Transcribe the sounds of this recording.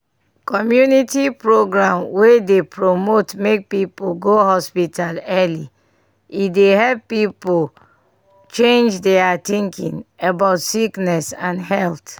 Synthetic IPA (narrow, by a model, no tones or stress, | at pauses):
kɔmjunitipɹoɡɹãmwedepɹomotmek̚pipoɡohɔspitalɛli | idehɛlpːipol | t͡ʃẽnd͡ʒdɛatĩŋkḭ̃ŋabaʊtsiknɛsãnhɛlt